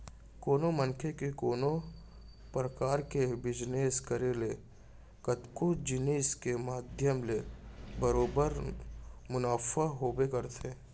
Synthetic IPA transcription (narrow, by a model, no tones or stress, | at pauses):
koːnomə̃nkʰekekoːno | pɾəkaːɾkebɪd͡ʒneːskəɾele | kət̪kod͡ʒɪneːskemaːd̪ʱjəmlebəɾoːbəɾ | mʊnaːfaɦoːbekɐɾt̪ʰeː